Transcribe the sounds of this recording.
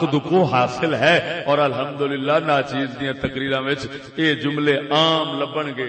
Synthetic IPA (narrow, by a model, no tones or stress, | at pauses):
kd̪ʊkoːɦaːsɪlɦɛːɔːɾəlɦəmd̪ʊlɪlːaːnaːt͡ʃiːzd̪ijãːt̪əkɾiːɾãːʋɪt͡ʃ | eːd͡ʒʊmleːaːmləbːəɳɡeː